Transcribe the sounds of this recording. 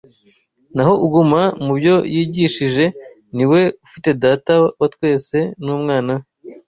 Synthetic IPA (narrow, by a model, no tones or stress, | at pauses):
naɦo̞ʔuɡumamubjo̞jʔiːɟiʃiʒe̞ | niwe̞ufite̞daːtawatwe̞ːse̞nuːmŋaːna